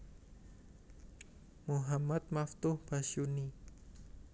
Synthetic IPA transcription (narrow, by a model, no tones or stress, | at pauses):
muɦamat̪̚maft̪ʊhb̥aʃuni